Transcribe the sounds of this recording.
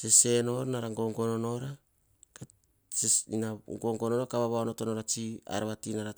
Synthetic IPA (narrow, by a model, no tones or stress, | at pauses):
sese̞no̞ɾnaɾaŋɡo̞ŋɡo̞nono̞ɾa | ka | einaŋɡoŋɡononokaβaβaonotonoɾat͡ʃia̰ɾaβatinaɾa